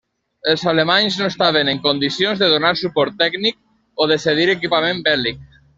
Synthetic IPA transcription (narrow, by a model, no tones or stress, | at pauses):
əlˠzalemaɲznoest̪aβ̞eneŋkond̪isjonzðəðonaɾsupɔɾt̪ːɛɡnik̚ | oðeseð̞iɾek̬ipamẽmbɛlik̚